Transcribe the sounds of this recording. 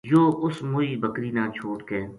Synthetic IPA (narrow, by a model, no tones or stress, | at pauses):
joːʔʊsmʊiːbəkɾiːnãːt͡ʃʰoːʈkeː